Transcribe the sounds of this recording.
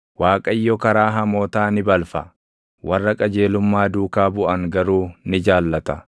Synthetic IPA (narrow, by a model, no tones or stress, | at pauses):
waːkʼɐjːɔkɐɾaːɦɐmoːt̪aːnɪbɐlfɐ | wɐrːɐkʼɐd͡ʒe̞ːlʊmːaːd̪uːkaːbʊʔɐŋɡɐɾuːnɪd͡ʒaːlːɐt̪ɐ